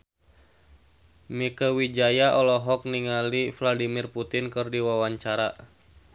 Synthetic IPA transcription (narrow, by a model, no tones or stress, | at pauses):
mikəwid͡ʒajaʔɔlɔɦɔk̚niŋalifladimirput̪ɪnkɨrdiwawaɲt͡ʃaɾa